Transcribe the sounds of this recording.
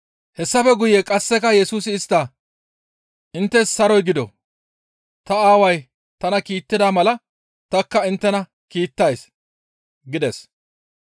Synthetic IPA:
hɛsːɐfɛɡʊjekʼɐsːɛkɐjɛsuːs̬ɪːst̪ːa | ʔɪnt̪ːɛsːɐɾɔjɡɪd̪ɔ̰ | t̪ɐaːwɐj | t̪ɐnɐkiːt̪ːɪd̪aːmɐlɐ | t̪ɐkːɐɪnt̪ːɛnɐ | kiːt̪ːɐjs | ɡɪd̪ɛs

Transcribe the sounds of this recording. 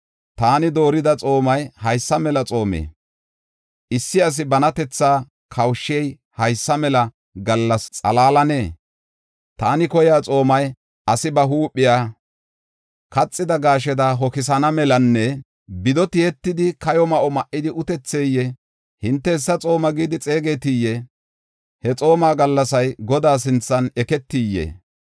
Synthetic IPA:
t̪aːnɪd̪o̞ːɾɪd̪ɐt͡sʼo̞ːmɐjhɐjsːɐmɛlɐt͡sʼo̞ːmḛː | ʔɪsːɪɐs̬ɪbɐnɐt̪ɛt͡sːaː | kʰɐwʃːɪɛj | hɐjsːɐmɛlɐ | ɡɐlːɐst͡sʼɐ̰laːlɐne̞ː | t̪aːnɪkɔjaːt͡sʼo̞ːmɐj | ɐsɪbɐɦuːpʼːɪjaː | kɐt͡sʼːɪd̪ɐɡaːʃ̬ɛd̪ɐɦɔkɪs̬ɐnɐmɛlɐnːɛ | bɪd̪ɔt̪ɪɛt̪ːɪd̪ɪkɐjɔmɐʔɔmɐʔːɪd̪ɪʔʊt̪ɛt͡sːeːjːɛ | hɪnt̪ːɛɪsːɐt͡sʼo̞ːmɐɡiːd̪ɪt͡sʼe̞ːɡet̪ijːɛ | hɛt͡sʼo̞ːmaːɡɐlːɐsɐjɡɔd̪aːs̬ɪnt͡sːɐnɛkɛt̪ːiːjːḛː

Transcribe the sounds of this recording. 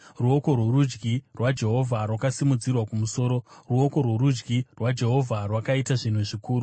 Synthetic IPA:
ruo̞ko̞rworud͡ʒɡirwad͡ʒe̞ɦo̞vʱarwakasimud͡zirwakumuso̞ːɾo̞ruo̞ko̞rwoɾud͡ʒɡirwad͡ʒe̞ɦo̞vʱarwakaitaʐin̤uʐikuːru

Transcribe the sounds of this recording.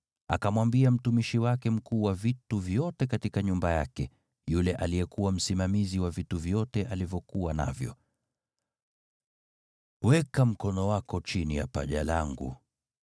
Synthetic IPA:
a̰kamwambiam̩tumiʃiwakɛm̩kuːwavituvjɔtɛkatikaɲumbajakɛ | julɛʔalijɛkuwam̩simamiziwavituvjɔtɛʔalivjɔkuwana̰vjɔ̰ | wɛkam̩kɔnɔwakɔt͡ʃinija̰paʄalaŋɡṵ

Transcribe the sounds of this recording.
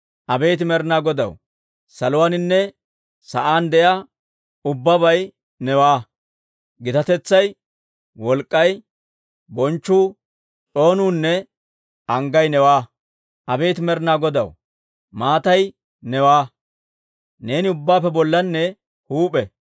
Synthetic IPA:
ʔɐbeːt̪ɪmɛɾnaːɡɔd̪ɐ̰w | sɐlʊwanɪnːɛ | sɐʔaːnd̪ɛjaː | ʊbːɐbɐj | nɛwaː | ɡɪt̪ɐt̪ɛt͡sːɐj | wɔlkʼːɐj | bɔnt͡ʃːuː | ᶑo̞ːnuːnːɛ | ɐŋɡɐjnɛwaː | ʔɐbeːt̪ɪmɛɾnaːɡɔd̪ɐ̰w | maːt̪ɐj | nɛwaː | ne̞ːnɪʊbːaːpːɛbɔlːɐnːɛ | huːpʼɛ

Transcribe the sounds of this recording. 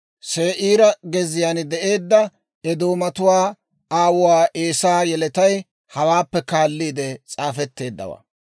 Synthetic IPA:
seːʔiːɾɐɡɛzɪjaːnd̪ɛʔe̞ːd̪ːɐ | ɛd̪o̞ːmɐt̪ʊwaː | aːwʊwaːʔeːsaːjɛlɛt̪ɐj | hɐwaːpːɛkaːlːiːd̪ɛt͡sʼaːfɛt̪ːe̞ːd̪ːɐ̰wɐ̰

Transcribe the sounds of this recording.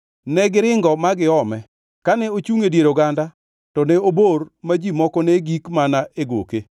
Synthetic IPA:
nɛɡɪɾɪŋɡɔmaɡɪɔmɛ | kanɛot͡ʃuŋedjeɾoɡanda | tɔnɛobormad͡ʒimɔkɔnɛɡikmanaʔeɡo̰ke

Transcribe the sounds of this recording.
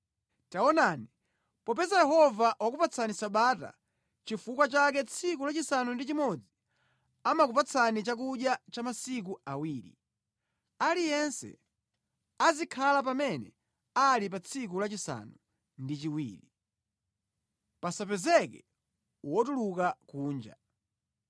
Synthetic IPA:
taɔnani | pɔpɛzajɛɦɔvaʔwak̬upat͡sʰanisaɓata̰ | t͡ʃifukwat͡ʃakɛt͡sʰikulat͡ʃisanundit͡ʃimɔd͡zi | amakupat͡sʰanit͡ʃak̬uʄjat͡ʃamasik̬uawiːɾḭ | alijɛnsɛ̰ | azikʰalapamɛnɛ̰ | alip̬at͡sʰik̬ulat͡ʃisa̰nu | ndit͡ʃiwḭːɾi | pasapɛzɛkɛ | wɔtulukakuːnd͡ʒa̰

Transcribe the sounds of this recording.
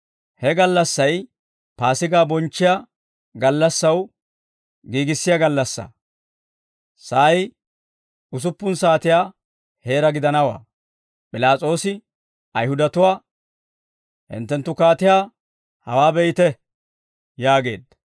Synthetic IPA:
hɛɡɐlːɐsːɐj | paːsɪɡaːbɔnt͡ʃːɪjaː | ɡɐlːɐsːɐw | ɡiːɡɪsːɪjaɡɐlːɐsːɐ̰ | sɐj | ʊs̬ʊpːʊnsaːt̪ɪjaː | he̞ːɾɐɡɪd̪ɐnɐwa̰ː | pʼɪlaːt͡sʼo̞ːsɪ | ɐjhʊd̪ɐt̪ʊwaː | hɪ̰nt̪ːɛnt̪ːʊkaːt̪ɪjaː | hɐwaːbɛjɪt̪ɛ | jaːɡe̞̰ːd̪ɐ

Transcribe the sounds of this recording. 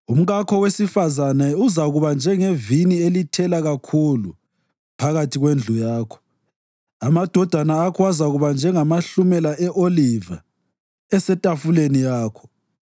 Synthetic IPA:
um̩ɣakʰɔwesifazanɛuzaɣuβand͡ʒʱɛŋevinielitʰɛlaɣakʰulṵ | pʰaɣatʰiɣwend͡ɮʱujaːkʰɔ̥ | amad̥ʱɔd̥ʱanaːkʰɔwazaɣuβand͡ʒʱɛŋamaɬumɛlaʔɛʔoliva̰ | ɛsɛtʼafulenijaːkʰɔ̥

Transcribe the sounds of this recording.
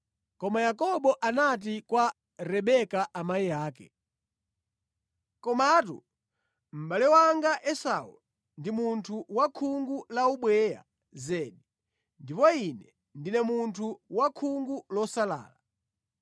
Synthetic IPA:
kɔmajakɔɓɔʔanat̬ikwa | ɾɛɓɛkaʔamaijaːkɛ̰ | kɔmatṵ | m̩ɓalɛwaŋɡaʔɛsa̰ṵ | ndimuntʰuwakʰuŋɡulauɓwɛːja̰ | zɛɗi | ndipɔinɛ | ndinɛmuntʰuwakʰuŋɡulɔsala̰ːla

